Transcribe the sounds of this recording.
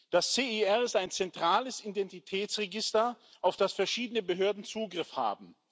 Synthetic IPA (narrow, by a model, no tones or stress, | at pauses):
d̥ast͡seːiɛɪstaɪnt͡sɛntʁ̥aːləsidɛntitʰɛːt͡sʁɛɡɪstɐʔaʊfd̥asfɛɐʃiːdənəbəɦøɐdn̩t͡suːɡʁɪfha̰ːbm̩